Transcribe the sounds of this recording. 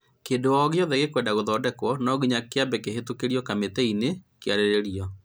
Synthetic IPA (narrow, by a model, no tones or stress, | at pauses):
keːndoɔɣeɔðɛɣekwɛːndaɣoðɔːdɛkwɔnɔɣiɲakeabɛkeɦetokeɾiɔkametɛinekjaɾeɾeɾiɔ